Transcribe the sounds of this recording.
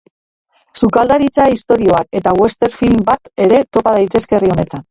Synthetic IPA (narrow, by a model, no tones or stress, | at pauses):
sukald̪aɾit͡saist̪o̞ɾio̞ake̞t̪awe̞st̪e̞ɾfilmbat̪e̞ɾe̞t̪o̞pað̞ajt̪e̞ske̞rio̞ne̞t̪an